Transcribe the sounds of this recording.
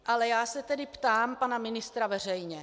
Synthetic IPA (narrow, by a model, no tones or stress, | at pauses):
ʔalɛjaːsɛt̪ɛdɪpt̪aːmpanamɪnɪst̪ɾavɛr̝ɛjɲɛ